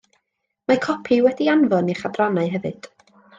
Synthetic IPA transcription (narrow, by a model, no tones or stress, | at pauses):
makʰɔpʰiwɛdianvɔniχadranaɨɦɛvɨd̥